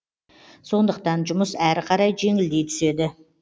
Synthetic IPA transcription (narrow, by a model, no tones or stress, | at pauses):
so̞nd̪əq̚t̪ɑnʒʊməsæɾqʰɑɾɑjʒe̞ŋɪld̪e̞jt̪ʰʏ̥se̞d̪ɪ